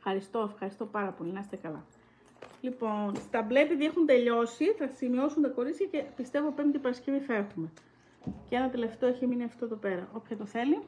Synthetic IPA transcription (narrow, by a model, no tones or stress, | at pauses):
fxɐɾist̪o̞efxɐɾist̪opɐɾɐpo̞linɐse̥t̪ekɐlɐ̰ | lipo̞nst̪ɐble̞piðiexunt̪e̞ʎo̞siθɐsimio̞sunt̪ɐko̞ɾit͡sçɐce̞pist̪e̞vo̞pɾinot̪ipɐɾɐsce̞viθɐe̞xume̞ | ceenɐt̪ele̞ft̪eoeçiminiɐft̪oðo̞pe̞ɾɐʔo̞pçɐt̪oθe̞li